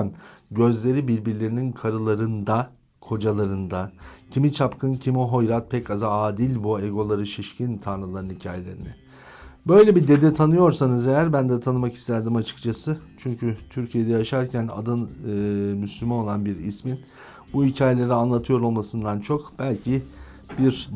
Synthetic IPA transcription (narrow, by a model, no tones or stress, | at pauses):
nɟø̞zlʲe̞ɾibiɾbiɾlʲe̞ɾininkʰaɾɯlˠaɾɯnd̪a | kʰo̞d͡ʒalˠaɾɯnd̪acʰimit͡ʃʰapkʰɯncʰimiɦo̞jɾat̪̚pʰɛcazaaːd̪ilʲbueɡo̞lˠaɾɯʃiʃcʰint̪ʰanlɾɯlˠaɾɯnhicʰa̰ːje̞lʲe̞ɾinɪ | bø̞jlʲɛbid̪e̞d̪ɛt̪ʰanɯjo̞ɾsanɯzejæɾbænd̪ɛt̪ʰanɯmaki̥st̪ʰæɾd̪imat͡ʃʰɯ̥kt͡ʃʰasɯt͡ʃʰyɲcʰyt̪ʰyɾcʰije̞d̪ɛjaʃaɾcʰæna̰d̪ɯnː | myslʲymano̞lˠanbiɾḭsmin | buicʰaːjelʲeɾianlˠat̪ʰɯjo̞ɾo̞lˠmasɯnd̪ant͡ʃʰo̞kb̥ælʲcʰi | biɾ